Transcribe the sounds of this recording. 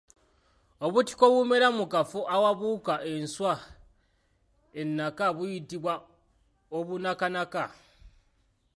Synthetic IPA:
o̞βuti̥ko̞βwumeɾamukafuʔawaβukaʔe̞nswa | e̞nːakaβujitiβwa | oβunakanaka

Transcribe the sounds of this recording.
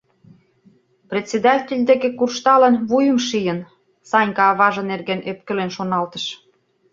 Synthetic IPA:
prʲet̪ʲsʲed̪ɑtʲelʲd̪ekekurʃt̪ɑlənβujə̆mʃijən | sɑnʲkɑːβɑʒɤ̆nerɣenøpkə̆lenʃonɑlt̪ə̥ʃ

